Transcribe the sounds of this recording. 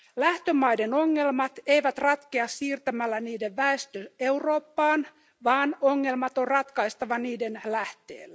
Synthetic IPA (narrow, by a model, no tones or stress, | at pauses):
læht̪ømɑjde̞no̞ŋːe̞lmɑt̪ejʋæt̪rɑt̪keɑsːiːrt̪æmælːæniːde̞ʋʋæest̪øe̞wro̞ːpːɑːn | ʋɑːno̞ŋːe̞lmɑt̪o̞rrɑt̪kɑist̪ɑʋɑniːde̞nlæht̪ḛːlːæ